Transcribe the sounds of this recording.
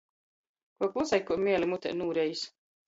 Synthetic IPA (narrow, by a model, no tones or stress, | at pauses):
kuɔklˠusajkːumʲiɛlʲimut̪ʲɛ̰nuːɾɛjis